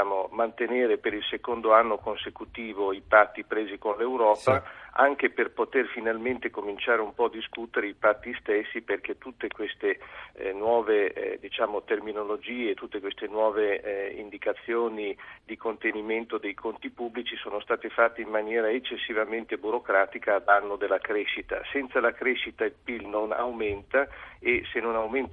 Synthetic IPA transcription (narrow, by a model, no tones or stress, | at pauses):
amomant̪eneːɾepeɾilsekond̪oanːokonsekut̪iːvoipat̪ːipɾeːzikonlewɾɔːpaa̰ŋkeperpot̪erfinalment̪ekomint͡ʃaːɾeumpɔd̪iskut̪eɾeipat̪ːist̪esːiperk̟et̪ːut̪ːekwest̪enwɔːvḛd̪it͡ʃaːmot̪erminolod͡ʒiːet̪ut̪ːekwest̪enwɔːveḭnd̪ikat̪sːjoːnid̪ikont̪eniment̪od̪ejkʰont̪ipubːlit͡ʃisoːnost̪aːt̪efat̪ːeimmanjɛːɾaet͡ʃːesːivament̪ebuɾokɾaːt̪ikaːd̪anːod̪elːakɾɛʃːit̪a̰sɛnt̪salakɾɛʃit̪ailpilnona̰wment̪aesenːonawmen